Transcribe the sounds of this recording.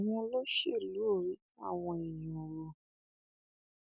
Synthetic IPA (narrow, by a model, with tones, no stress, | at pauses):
w̃ɔ̃˧lo˦ʃe˦˨lu˨˦o˦˨ɾi˨˦ti˦a̰˦˨w̃ɔ̃˧i˨j̃ɔ̃˨ɾo˨